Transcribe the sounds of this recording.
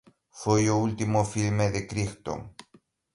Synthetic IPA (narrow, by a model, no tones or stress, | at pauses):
fojoult̪imofilmeðekɾixt̪o̰ŋ